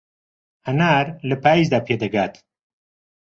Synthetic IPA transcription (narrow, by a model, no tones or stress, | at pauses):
hɐnaːɾləpaːizd̪aːpʰeːd̪ɐɡaːt̪